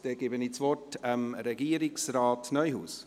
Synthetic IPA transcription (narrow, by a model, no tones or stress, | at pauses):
d̥ɛɡ̥eːbənit͡svɔrtəmɾɛɡiːəɾɪksraːtnœʏhṵːs